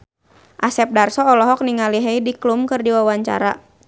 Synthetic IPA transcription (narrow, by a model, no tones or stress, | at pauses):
ʔasɛp̚darsɔːlɔɦɔk̚niŋaliɦeidiklumkɨrdiwawaɲt͡ʃa̰ɾa̰